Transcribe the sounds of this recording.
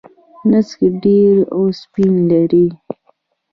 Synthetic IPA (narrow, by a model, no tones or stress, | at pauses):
naskiɖeɾawspinlaɾi